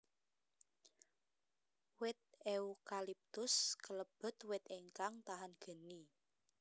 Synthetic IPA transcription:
wɪt̪̚eukalip̚t̪ʊskələb̥ə̤t̪wɪt̪eŋkaŋt̪aɦanɡ̥ə̤ni

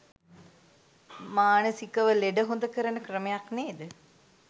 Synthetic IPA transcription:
maːnəsikəʋəleɖəɦond̪əkəɾənəkrəmejakneːd̪ə

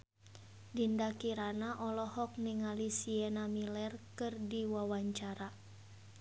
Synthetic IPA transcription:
dindakiɾanaʔɔlɔhɔk̚niŋalisiɛnamilɛrkɨrdiwawaɲt͡ʃaɾa

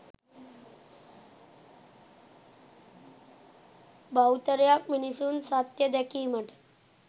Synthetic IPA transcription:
bʱawt̪əɾjak̚minisuːnsat̪jəd̪akiːməʈ

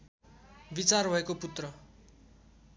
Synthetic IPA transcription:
bit͡sarbʱʌekoput̪rʌ

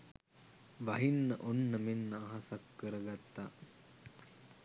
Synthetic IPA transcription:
ʋɐɦinːəʔonːəmenːəːɦasakːəɾəɡat̪ːa

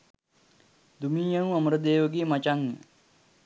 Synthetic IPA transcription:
d̪umiːjɐnuaməɾəd̪eːʋəɡeːmat͡ʃaŋjə̰

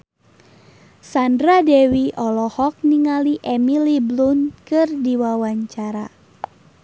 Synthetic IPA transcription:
sandɾadɛwiʔɔlɔhɔk̚niŋaliʔɛmiliblunkɨrdiwawaɲt͡ʃaɾa

